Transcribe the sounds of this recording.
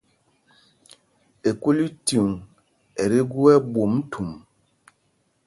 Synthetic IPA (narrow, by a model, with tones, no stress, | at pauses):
e˨ko˦li˦tu˨ŋ | ɛ˨ɾe˦ɡu˦ɛ˦bo˨m˦tʰu˨m